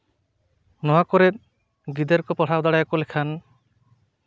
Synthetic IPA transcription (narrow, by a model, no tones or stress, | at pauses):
nɔwakɔɾet̪̚ | ɡid̪eɾkɔpɔɽ̤ʰawd̪aɽajakulekʰan